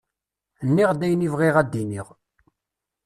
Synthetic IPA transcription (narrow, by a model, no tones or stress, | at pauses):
nːiʁd̪æjnivʁiʁæd̪ːiniʁ